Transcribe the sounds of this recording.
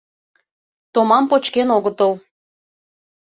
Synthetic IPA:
t̪omɑmpot͡ɕkenoɣət̪əl

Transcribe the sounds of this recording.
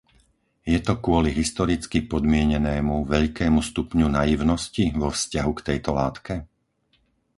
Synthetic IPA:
jɛt̪ɔkʊɔliɦist̪ɔɾit͡skipɔd̪mɪɛɲɛnɛːmuʋɛʎkɛːmust̪upɲunajiʊnɔsciʋɔfscaɦukt̪ɛjt̪ɔlaːt̪kɛ

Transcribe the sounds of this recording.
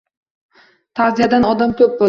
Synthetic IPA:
t̪ʰaɾzijad̪anɒd̪amkʲʰɵp̚bo

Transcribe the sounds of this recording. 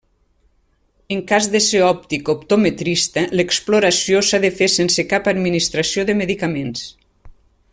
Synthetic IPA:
əŋkazðəseɔp̚t̪ikopt̪omet̪ɾist̪ələksploɾasijosaðəfesensəkapad̪minist̪ɾasioðəməðikamens

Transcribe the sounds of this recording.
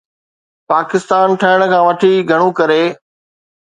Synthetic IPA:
paːkɪst̪aːnʈʰɐɦɪɽ̃̆kʰãːʋɐʈʰiɡʱɐɽ̃ũkɐɾeː

